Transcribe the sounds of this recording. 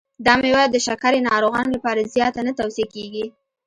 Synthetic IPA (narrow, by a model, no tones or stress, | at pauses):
d̪ɑmewɑjad̪ːəʃakaɾenɑɾoɣɑnolapɑɾazjɑt̪anət̪awsjekeɡi